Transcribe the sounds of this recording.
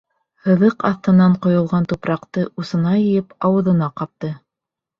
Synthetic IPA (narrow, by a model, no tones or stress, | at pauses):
hɤ̆ðɤqɑθt̪ɤ̆nɑɴqŏjŏlˠʁɑnt̪upɾɑqt̪ɤʔusɤ̆nɑjɘ̆jɘpɑwɤ̆ðɤ̆nɑqɑp̚t̪ɤ